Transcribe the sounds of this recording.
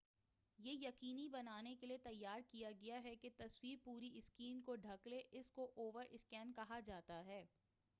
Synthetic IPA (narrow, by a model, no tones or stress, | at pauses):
jeːjɐqiːnibɐnaːnekeliet̪ɐjːaːɾkijaɡɐjaɦɛket̪ɐswiːɾpuːɾiɪskiːnkoɖʱɐkleʔɪskoʔoːʋəɾʔɪskɛːnkɐɦad͡ʒaːt̪aɦɛː